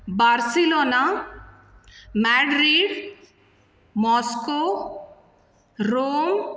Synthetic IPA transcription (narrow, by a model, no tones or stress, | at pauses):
barsilona | maɖɾiɽ | mɔsko | rom